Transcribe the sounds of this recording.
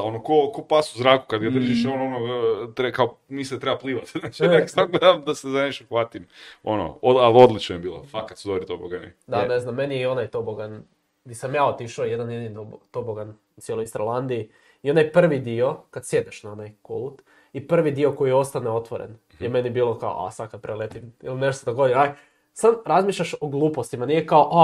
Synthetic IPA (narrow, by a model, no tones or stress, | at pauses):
ao̞nokokopasuzɾaːku̥kad̪ɡad̪r̩ʒiʃononot̪ɾekaomiset̪ɾebapliːʋat̪znat͡ʃieksaɡled̪amd̪asezaɲeʃuxʋaːt̪imono̰oalod̪lit͡ʃnojebiːlo̰fakat̪sud̪oʋɾit̪oboɡanḭd̪ane̞znamːe̞nijeio̞najt̪oboɡan | d̪isamjaːot̪iʃojed̪anjed̪int̪obt̪oboɡan | ut̪sjelojist̪ɾolˠand̪ii | io̞najpr̩ʋid̪io̞kad̪sje̞d̪eʃnao̞najko̰lut̪ | ipr̩ʋid̪io̞ko̞jio̞st̪aneo̞t̪ʋoɾḛn | jeme̞nibiːlˠo̞kao̰ʔa̰sad̪kḁpɾʔelet̪imḭline̞ʃt̪ot̪sod̪oɡod̪eɾaj | samɾazmiːʃʎʲaʃo̞ɡlˠuːpost̪imanijekaoʔa